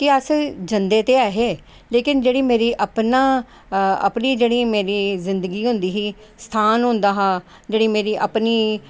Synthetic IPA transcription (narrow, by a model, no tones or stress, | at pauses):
kɪəsd͡ʒənd̪eːt̪eːaːɦeː | leːkɪnd͡ʒeːɽiːmeːɾiːʔəpnaː | ə̰pniːd͡ʒeːɽiːmeːɾiːzɪnd̪əɡiːɦʊ̃nd̪iːɦiː | st̪ʰaːnɦʊ̃nd̪aːɦaː | d͡ʒeːɽiːmeːɾiːʔəpniː